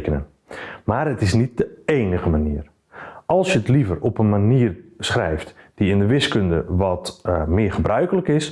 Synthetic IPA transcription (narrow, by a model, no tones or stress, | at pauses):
kənə̰n | maːrətɪsnit̚dəeːnəɣəmaniːər | ʔɑlˠsjətlivərɔpənmaniːərsχrɛjftd̥iɪndəʋɪskøndə̰ʋɔtmɪərχəbrœɥkələkɪs